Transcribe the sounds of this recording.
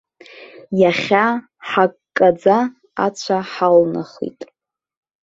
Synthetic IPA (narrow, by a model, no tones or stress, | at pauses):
jaχʲa | ħakkʼːad͡za | a̰t͡ɕʷʰaħalna̰χḭtʼ